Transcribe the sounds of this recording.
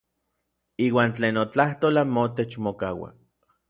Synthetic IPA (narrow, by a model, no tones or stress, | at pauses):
iːwaːnt͡ɬeːnot͡ɬaht̪oːlamot̪et͡ʃmokawa̰